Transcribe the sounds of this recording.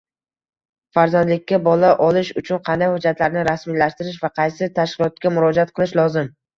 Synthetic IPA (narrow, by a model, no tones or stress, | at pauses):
faɾzand̪lɪkʲːabɒlaʔɒlɪʃʊt͡ʃʰʊnqʰɑnd̪ajhʊd͡ʒːat̪laɾnɪɾasmilaʃt̪ɪɾɪʃ̬vaqʰɑjsɪt̪ʰaʃkʲɪlˠɒt̪̚kʲamʊɾɒd͡ʒaat̪qʰɨlˠɪʃlˠɒzɪm